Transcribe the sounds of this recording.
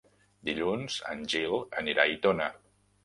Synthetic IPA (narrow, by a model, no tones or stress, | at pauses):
d̪iʎunz̥ə̰nʲʒilˠəniɾait̪onə